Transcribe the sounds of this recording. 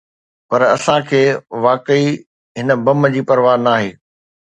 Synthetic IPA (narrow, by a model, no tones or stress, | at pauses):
pɐɾɐsãkʰeːʋaːkəi | ɦɪnə̆bɐmd͡ʑiːpɐɾʋaːnaːɦeː